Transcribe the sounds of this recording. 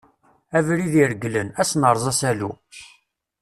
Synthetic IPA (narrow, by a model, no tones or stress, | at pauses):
ævɾiðiɾəɡlənæsnəɾˤzˤɑsælu